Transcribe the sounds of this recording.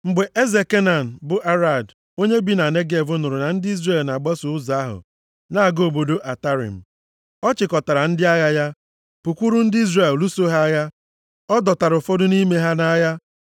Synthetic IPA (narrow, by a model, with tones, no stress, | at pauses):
ŋ͡m̩˨ɡ͡be˨ʔe˦ze˨ke˦na˨n̩˨bʊ˨ʔa˦ɾa˨d | o˦ɲe˦bi˦na˨ne˦ɡe˨vʊ˦nʊ˨ɾʊ˨na˨n̩˦dɪ˦i˦zre˦˨lna˨ɡ͡ba˦sʊ˨ʊ˦za˨˦a˦ɦʊ̰˨ | na˦a˨ɡo˦˨bo˨do˦ʔa˨ta˦ɾḭ˨m̩˨ | ɔ˦t͡ʃɪ˨kɔ˨ta˨ɾa˨n̩˦dɪ˦a˦ɣa˦ja˦ | pu˨kʷu˦ɾu˦n̩˦dɪ˦i˦zre˦˨llu˦so˦ɦa˦ɣa˦ | ɔ˦dɔ˨ta˨ɾʊ˨fɔ˦dʊ˦ni˦me˦ɦa˦na˦ja˦